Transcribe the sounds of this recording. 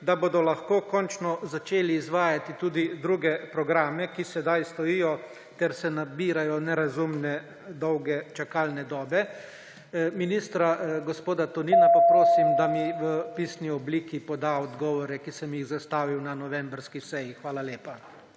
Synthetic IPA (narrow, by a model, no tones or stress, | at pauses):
d̪abod̪ɔlaxkoːkɔnt͡ʃnɔzat͡ʃeːliːzʋaːjat̪it̪uːd̪id̪ɾuːɡɛpɾɔɡɾaːmɛkisɛd̪ajst̪ɔijɔ | t̪ɛɾsɛnabiːɾajɔnɛɾazumnɛ | d̪ɔwɡɛt͡ʃakaːlnɛd̪ɔːbɛ | miniːst̪ɾaɡɔspoːd̪at̪ɔniːnapapɾoːsimd̪amiʋəpiːsniɔbliːkipɔd̪aɔd̪ɡɔːʋɔɾɛkisɛmjiɣzast̪aːʋiwnanɔʋɛmbɾskisɛjixʋaːlaleːpa